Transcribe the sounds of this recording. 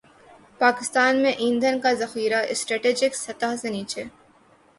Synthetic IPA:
paːkɪst̪aːnmẽʔĩːnd̪ʱənkazɐxiːɾaʔɪsʈɾɛːʈeːd͡ʒɪksɐt̪aɦseniːt͡ʃe

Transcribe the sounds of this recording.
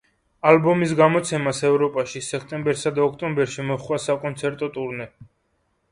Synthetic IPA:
albɔmisɡamɔt̪sʰɛmasɛvɾɔpʼaʃisɛkʰt̪ʼɛmbɛɾsad̪aɔkʰt̪ʼɔmbɛɾʃimɔχwasakʼɔnt̪sʰɛɾt̪ʼɔt̪ʼuɾnɛ

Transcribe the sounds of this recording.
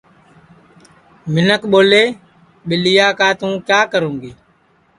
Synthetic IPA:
mɪnəkɓoːleː | ɓɪlɪjaːkaːt̪ũːkjaːkəɾũːŋɡiː

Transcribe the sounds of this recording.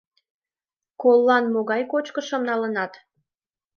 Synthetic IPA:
kolːɑnmoɣɑjkot͡ɕkəʃə̆mnɑlənɑt̪

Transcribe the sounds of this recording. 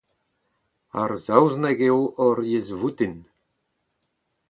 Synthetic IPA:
a̰rzawznɛɡewɔɾjezvut̪in

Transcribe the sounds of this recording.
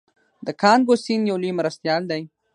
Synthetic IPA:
d̪əkʰɑːnɡosinjawlimɾast̪jɑːld̪aj

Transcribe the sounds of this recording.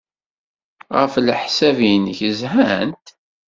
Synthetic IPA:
ʁə̰flħsævinçəzhænt̪

